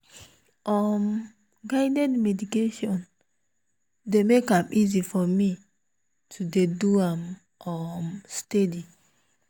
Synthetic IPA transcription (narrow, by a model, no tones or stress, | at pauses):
ɔm | ɡaɪdɛdmɛdikeʃɔ̃n | demekãmʔizifɔmi | tʰudeduãm | ɔmstedi